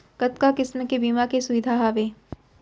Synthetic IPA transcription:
kɐt̪kakɪsmkebiːmakesʊʋɪd̪ʱaːɦaːʋeː

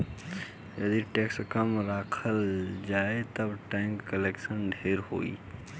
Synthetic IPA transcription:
jɐd̪iʈeːkskəmɾaːkʰəld͡ʒaːet̪ɐbʈɛ̃ːŋkːəleːkʃənɖʱeːɾɦo̰ːḭː

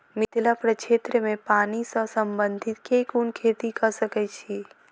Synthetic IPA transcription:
mɪt̪lapɾət͡ʃeːt̪ɾəmẽpaːnisə̃səmbə̃nd̪ʱɪt̪kekunkʰeːt̪ikəsəkɛt͡ʃʰi

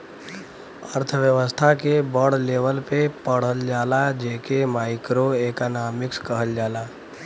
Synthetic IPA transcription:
ə̰ɾt̪ʰʋjəʋəst̪ʰakebɔɽleːʋəlpepəɽ̤əld͡ʒaːlad͡ʒeːkemaːɪkɾoeːkanaːmɪkskəɦəld͡ʒaːlaː

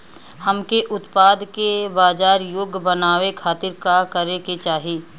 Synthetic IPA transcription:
hɐmkeʔʊt̪paːd̪kebaːd͡ʒaːɾjoːɡbɐnaːʋekʰaːt̪ɪɾkakɐɾeket͡ʃaːɦiː

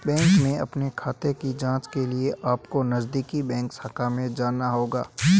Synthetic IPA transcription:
bɛ̃ːŋkmẽɐ̰pnekʰaːt̪ekid͡ʒãːt͡ʃkelieʔaːpkonɐzd̪iːkibɛ̃ːŋksakamẽd͡ʒaːnaɦoːɡa̰ː

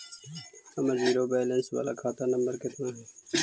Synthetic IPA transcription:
əməziːɾoːbɛːlɛ̃nsʋa̰ːla̰ːkʰaːt̪anəmbəɾkɪt̪naːɦɛː

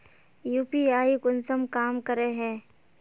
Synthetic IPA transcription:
juːpiaːikʊnsəmkaːmkəɾeɦɛ̃ː

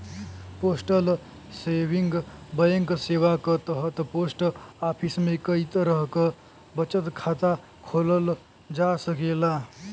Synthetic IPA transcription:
poːsʈəl | seʋiŋɡbəjəŋksewakət̪əɦət̪poːsʈapʰismẽkəit̪ɾəɦkə | bət͡ʃət̪kʰat̪a | kʰoːləl | d͡ʒasəkela

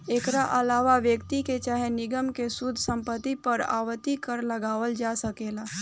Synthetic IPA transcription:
eːkɾaʔəlaːʋaʋjəkt̪iket͡ʃaːɦenɪɡəmkesʊd̪ʱːsə̃mpət̪ːipəɾa̰ːʋət̪ːikəɾləɡaːʋəld͡ʒasəkeːlaː

